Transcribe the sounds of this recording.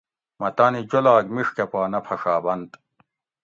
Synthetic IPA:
mɐt̪aːnid͡ʑolaːɡmiʂkepaːnɐpʰɐʂaːbɐnd̪

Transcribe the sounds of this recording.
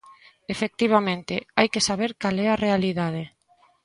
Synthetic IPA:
efek̚t̪iβ̞amẽnt̪ɪajkesaβeɾkalɛarealiðaðe

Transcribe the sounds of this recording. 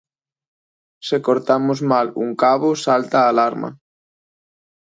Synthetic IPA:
sekoɾt̪amozmalṵŋkaβosalt̪aːlaɾma̰

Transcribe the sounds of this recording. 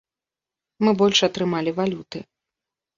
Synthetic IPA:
mɨbɔlʲʂɐt̪ɾɨmalʲivalʲut̪ɨ

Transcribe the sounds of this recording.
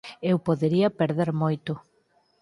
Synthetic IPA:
ewpoðeɾiɐpeɾðeɾmojt̪ʊ

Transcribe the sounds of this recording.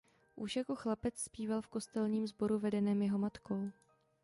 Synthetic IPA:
ʔuʃjako̞xlapɛt͡sspiːvalfko̞st̪ɛlɲiːmzbo̞ɾuvɛdɛnɛːmjɛɦo̞mat̪ko̞w

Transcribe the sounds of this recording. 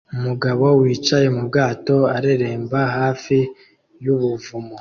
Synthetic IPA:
umuɡaβo̞wiːt͡ʃajemub̚ɡaːto̞aɾeɾeːmbaɦaːfi | juβuvumo

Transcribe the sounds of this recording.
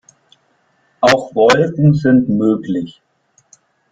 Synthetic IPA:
ʔaʊxvɔlkn̩zɪntmøːklɪç

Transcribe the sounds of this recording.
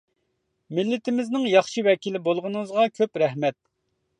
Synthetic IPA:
mɪlːɪt̪ʰɪmɪznɪŋjɑχʃiwɛkʲilɪbolˠʁʊnɨŋɨzʁɑkʲʰøpɾɛhmɛt̪̚

